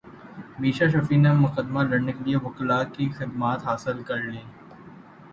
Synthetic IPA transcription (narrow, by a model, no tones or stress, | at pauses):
miːʃaʃ̬ɐfiːnemʊqəd̪malɐɽnekelieʋʊklaːkixɪd̪maːt̪ɦaːsɪlkɐɾlẽː